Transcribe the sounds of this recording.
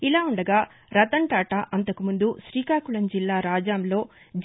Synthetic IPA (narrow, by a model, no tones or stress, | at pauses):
ilaːuɳɖɐɡaː | ɾɐt̪ɐɳʈaːʈɐʔɐnt̪ɐkumund̪uʃɾiːkaːkuɭɐnd͡ʒilːaːɾaːd͡ʒaːmlo̞ː | d͡ʒ